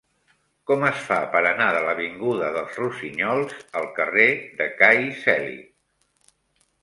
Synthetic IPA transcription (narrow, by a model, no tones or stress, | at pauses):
kɔməsfapəɾənaðələβiŋɡuðəðəlˠzrusiɲɔlˠzəlˠkəreðəkajsɛlḭ